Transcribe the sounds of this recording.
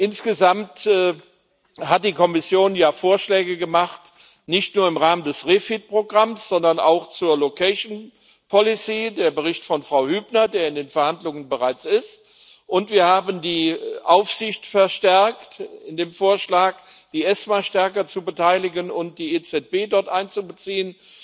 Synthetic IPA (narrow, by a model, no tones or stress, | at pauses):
ʔɪnsɡ̥əzamtː | hat̚d̥iːkʰɔmɪsjoːnjaːfoːɐʃlɛːɡəɡəmaχt | nɪçtnuːɐɪmʁaːməndɛsʁeːfit̚pʁ̥oɡʁamsz̥ɔndɐna̰ʊxt͡suːɐlokʰɛʃn | pʰɔlɪsiːdeːɐbəʁɪçtfɔnfʁ̥aʊhyːbnɐdeːɐɪndeːnfɛɐhandlʊŋənbəʁaɪt͡sɪst | ʔʊntv̥iːɐhaːbəndiːʔaʊfz̥ɪçtfɛɐʃtɛɐktɪndeːmfoːɐʃlaːk | d̥iːʔɛsmaʃtɛɐkɐt͡subətʰaɪlɪɡənʊnt̚d̥iːet͡sɛt̚b̥eːdɔɐtʔaɪnt͡subət͡siːən